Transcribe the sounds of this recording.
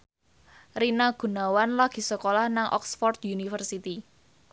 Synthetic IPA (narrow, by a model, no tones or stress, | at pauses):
rinaɡ̥ṳnawanlaɡ̥i̤səkolahnaŋʔɔ̰ksfɔrt̪junifərsit̪i